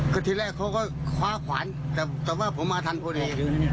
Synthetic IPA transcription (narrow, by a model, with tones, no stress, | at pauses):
kʰɯː˧˩t̪ʰiː˧lɛː˧˩kʰːa˧˩˨kʰɔː˧˥˩jkʰwaː˧˥kʰwa̰ː˨˦n | t̪ɛː˧˩t̪ɛː˨˧waː˧˩pʰo˨˦mːaː˧t̪ʰa˧˨npʰɔ˧˩di˧˨˧